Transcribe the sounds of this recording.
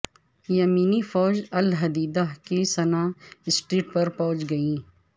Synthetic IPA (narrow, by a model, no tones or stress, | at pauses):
jɐmiːnifɔːd͡ʒɐlɦɐd̪iːd̪aɦkisɐnaːɪsʈɾiːʈ̚pɐɾpɐ̃ɦʊ̃t͡ʃɡɐĩː